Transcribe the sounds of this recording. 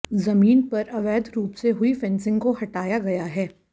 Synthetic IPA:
zɐmiːnpɐɾɐʋɛːd̪ɾuːpseɦʊifɛ̃nsɪ̃ŋɡkoɦɐʈaːjaɡɐjaɦɛː

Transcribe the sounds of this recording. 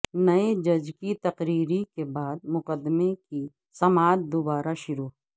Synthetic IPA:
nɐed͡ʒɐd͡ʒkit̪ɐqɾiːɾikebaːd̪̚mʊqəd̪meki | sɐmaːt̪̚d̪obaːɾaʃʊɾuː

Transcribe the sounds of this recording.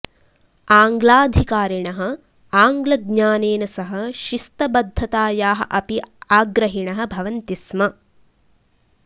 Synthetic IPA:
aːŋɡlaːd̪ʱikaːɾiɳɐɦɐ̆ | aːŋɡlɐɡɲaːneːnɐsɐɦɐ̆ʃist̪ɐbɐd̪ʱːɐt̪aːjaːɦɐ̆ʔɐpiaːɡɾɐɦiɳɐɦɐ̆bʱɐʋɐnt̪ismɐ

